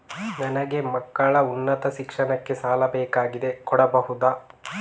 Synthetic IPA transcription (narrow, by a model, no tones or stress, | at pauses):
nɐnɐɡe̞mɐkːɐɭɐunːɐt̪ɐʃikʂɐnɐkːe̞saːlɐbɛːkaːɡid̪e̞kɔɽɐbɐɦud̪aː